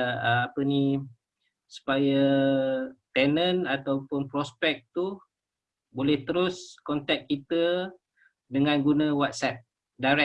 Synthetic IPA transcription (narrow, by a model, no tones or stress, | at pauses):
apəni | su̥paja | t̪ɛnə̃nat̪awpʊnpɾɔspɛk̚t̪u | bolɛht̪əɾʊskɔnt̪ɛk̚kit̪ə | dəŋãnɡunə̃wat̪̚sɛt̪̚ | daɾɛ